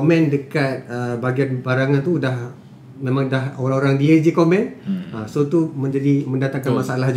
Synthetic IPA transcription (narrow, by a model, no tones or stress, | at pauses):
mɛ̃ndəkat̪̚əbaɡianbaɾaŋant̪udah | mẽmãŋdahoɾaoɾaŋdiəd͡ʒikomɛ̃nəsot̪umə̃ɲd͡ʒadimə̃ndat̪akanmasaalahd͡ʒ